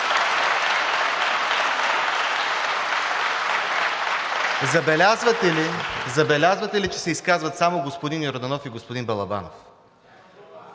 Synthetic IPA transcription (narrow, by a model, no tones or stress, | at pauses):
zɐbɛlʲazvɐt̪ɛlizɐbɛlʲazvɐt̪ɛlit͡ʃɛ̥sɛiskazvɐt̪samoɡospod̪injoɾod̪ɐnɔfiɡospod̪inbɐlˠɐba̰no̰f